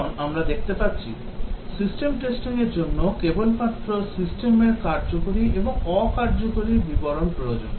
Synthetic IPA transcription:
namɾad̪ek̚ʰt̪epatːɕʰḭ | sisʈemʈesʈiŋeɾd͡ʑonːokebolpat̪ːɾosisʈemeɾkaɾd͡ʑokoɾiʔeboŋɔkaɾd͡ʑokoɾibiboɾonpɾojod͡ʑon

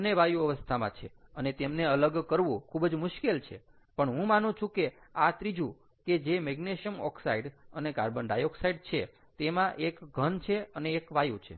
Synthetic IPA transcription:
neʋajuəʋəst̪ʰamã̰t͡ʃʰeənet̪emneələɡkəɾʋũkʰubd͡ʒmʊʃkelt͡ʃʰḛ | pəɳɦũmanũt͡ʃʰũke | at̪ɾid͡ʒũ | ked͡ʒemɛɡneʃjəmɔ̰ksaiɖənekaɾbənɖajoksaiɖ̚t͡ʃʰe | t̪emãʔekɡʱənt͡ʃʰeəneːkʋajut͡ʃʰḛ

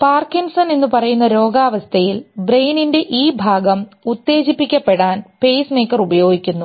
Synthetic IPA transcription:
paːrkːinsɐne̞nːupɐrɐjunːɐɾo̞ːɡaːʋɐst̪ʰɐjilbrejninde̞ʔiːbʱaːɡɐmut̪ːe̞ːɕipːikʲːɐpːe̞ɽaːnpe̞jsme̞ːkːɐrubɐjo̞ːɡikʲːunːu

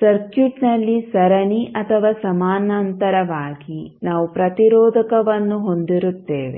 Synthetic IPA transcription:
sɐɾkjuʈnɐlːisɐɾɐniʔɐt̪ʰɐʋaːsɐmaːnɐnt̪ɐɾɐʋaːɡinaːʋupɾɐt̪iɾɔːd̪ʱɐkɐʋɐnːuɦo̞nd̪iɾut̪ːeːʋe̞̰

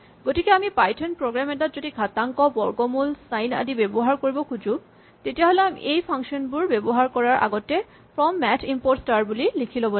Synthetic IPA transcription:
ɡotikɛamipajtʰɔnpɹoɡɹamɛtatzodiɡʱataŋkɔbɔɹɡɔmulsajna̰dibebɔɦaɹkoɹibɔkʰud͡ʒũ | tetijaɦolɛamḭʔejpʰaŋʃɔnbuɹbebɔɦaɹkɔɹaɹʔa̰ɡɔtɛ | pɹɔmːɛtʰimpoɹʈstaɹbulilikʰilobɔ

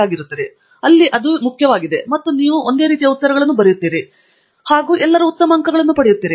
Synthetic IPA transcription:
aːɡiɾut̪ːɐd̪e | ɐlːiʔɐd̪umukʰjɐʋaːɡid̪e̞mɐt̪ːuniːʋuʔo̞nd̪e̞ːɾiːt̪̬ijɐut̪ːɐɾɐɡɐɭɐnːubɐɾɛjut̪ːiːɾi | haːɡuːʔɛlːɐɾuːt̪ːɐmɐŋkɐɡɐɭɐnːupɐɽejut̪ːiːɾi

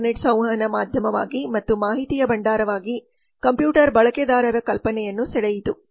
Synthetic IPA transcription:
neʈsɐ̃w̃ɦɐnɐmaːd̪ʱjɐmɐʋa̰ːɡimɐt̪ːumaːɦit̪ijɐbɐɳɖaːɾɐʋaːɡi | kɐmpjuːʈɐɾbɐɭɐkɛd̪aːɾɐɾɐkɐlpɐnɛjɐnːusɛɽɐjit̪u

